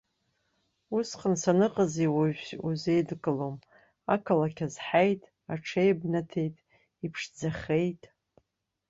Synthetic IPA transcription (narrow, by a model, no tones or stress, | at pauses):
usqənsanɨqʼaziwaʃuzejdɡʼɨlom | akʰalakʲʰazħajtʼ | aʈ͡ʂʰejbnatʰe̞jtʼ | ipʰʂd͡zaχʲe̞jtʼ